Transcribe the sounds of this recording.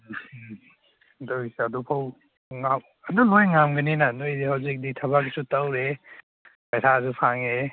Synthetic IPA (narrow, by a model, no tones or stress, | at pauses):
doseadupʰaw | ŋam | analojŋamɡɐninanojdihawzik̚ditʰɐβaksutawɾe | bajsʰazupʰaŋe